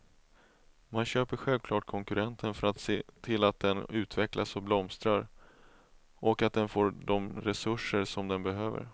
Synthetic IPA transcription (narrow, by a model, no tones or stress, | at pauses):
manɕøːpəɾɧɛlvkʰlɑːʈ̚kʰɔŋkɵɾɛnt̪ʰənfœɾat̪seːt̪ʰɪlat̪̚d̪ɛnʉ̟ːt̪vɛklʔasɔblɔmst̪ɾaɾ | ʔɔkat̪̚d̪ɛnfoːɖ̪ɔmɾɛsɵʂːəɾʂɔmd̪ɛnbɛɦøːvə̰ɾ